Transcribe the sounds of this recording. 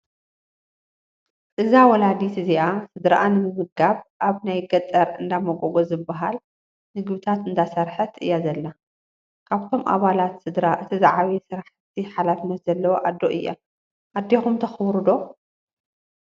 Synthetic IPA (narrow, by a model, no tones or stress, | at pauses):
ʔɨzawɔlad̪it̪ʰɨziʔasɨd̪ɾa̰ʔanɨmɨzɨɡaβʔaβnajɡɐt̪ʼɐɾɨnd̪amɐɡoɡozɨbːaɦal | nɨɡbɨt̪ʰat̪ɨnd̪ʰasɐɾħɐt̪ʰɨ̰jːazɐlːa | kʰaβt̪ʰo̞mʔa̰βalat̪sɨd̪ɾaʔɨt̪ʰizaʕaβisɨɾaħt̪̚ʰiħalafɨnːɐt̪zɐlːɐwoʔad̪ːoʔɨjːɐ̰ | ʔad̪ːexumt̪ʰɐxɨwɾɨd̪o̞